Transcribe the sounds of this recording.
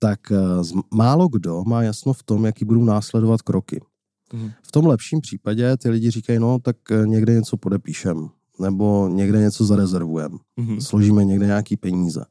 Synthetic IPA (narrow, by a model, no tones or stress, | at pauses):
t̪akzmaːlo̞ɡdo̞maːjasnoft̪o̞mjakiːbudunaːslɛdovat̪kɾʔo̞kɪ̰ | ft̪o̞mlɛpʃiːmpr̝̥iːpaɟɛt̪ɪlɪɟɪɾiːkajno̞t̪akɲɛɡdɛɲɛt͡so̞podɛpiːʃɛm | nɛbo̞ɲɛɡdɛɲɛt͡so̞zaɾɛzɛɾvujɛ̰msloʒiːmɛɲɛɡdɛɲɛakiːpɛɲiːzɛ̰